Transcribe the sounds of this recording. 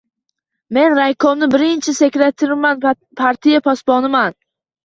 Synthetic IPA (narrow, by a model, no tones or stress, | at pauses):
me̞nɾajkʰomnɪbɪɾɪnt͡ʃʰɪse̞kʲɾet̪ʰɪɾman | pʰaɾt̪ʰijapʰɒsbɒnɪman